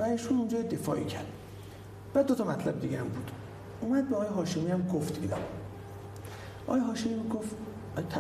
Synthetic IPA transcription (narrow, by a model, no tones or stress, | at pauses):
væiːʃuːnund͡ʒɒːjed̪efɒ̰ːʔḭcʰæ̰ɾd̪̥ | b̥æd̪ːot̪ʰɒmæt̪ʰlæbed̪iːɟɛæmbuːd̪̥ | umæd̪̚beɒɣːjeɦɒːʃemiæmɡoft̪bid̪æ̰m | ʔɒ̰ːjeɦɒːʃemiːmiɡof | t̪ʰːæ